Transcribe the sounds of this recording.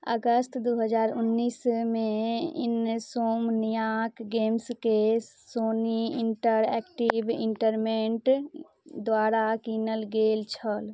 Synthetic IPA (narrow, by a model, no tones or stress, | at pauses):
əɡəst̪d̪oːɦəd͡ʒaːɾʊnːiːsmẽɪ̰nsoːmnijaːkɡeːmske | soːniɪɳʈəɾɛ̰ːkʈibɪ̰̃ɳʈəɾmẽɳʈ | d̪waːɾakiːnəlɡeːlt͡ʃʰəl